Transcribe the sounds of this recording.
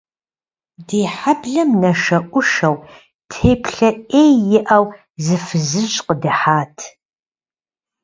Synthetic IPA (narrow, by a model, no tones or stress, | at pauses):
deːħabɮɐmnɐʃɐʔʷʊʃɐw | tʰeːpʰɬɐʔeːjjɪʔɐw | zɨfɨzɨʒqədɨħaːtʰ